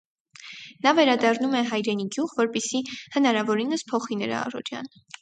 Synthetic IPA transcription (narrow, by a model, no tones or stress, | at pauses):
nɑvɛɾɑd̪ɑrnumɛɦɑjɾɛniɡjuʁvɔɾpɛsihənɑɾɑvɔɾinəspʰɔχinəɾɑ̰ːrɔ̰ɾjɑ̰n